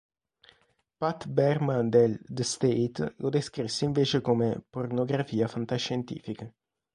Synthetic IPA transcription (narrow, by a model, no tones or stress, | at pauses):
pat̪bɛrmand̪eld̪əst̪ejt̪lʔod̪eskɾisːeiɱveːt͡ʃekomepornoɡɾafiːafant̪aʃːent̪ḭːfikə